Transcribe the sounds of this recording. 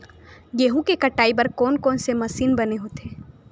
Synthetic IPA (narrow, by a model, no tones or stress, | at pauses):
jeːɦukekɐʈaːibɐɾkɔːnkɔːnsemɐsiːnbɐneɦot̪ʰeː